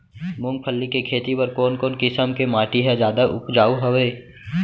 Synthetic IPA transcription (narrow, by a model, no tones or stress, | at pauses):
mʊ̃ŋɡ̚pʰəlːikekʰeːt̪ipəɾkoːnkoːnkɪsəmkemaːʈiɦɛd͡ʒjaːd̪aʔʊpd͡ʒaːuɦɐʋeː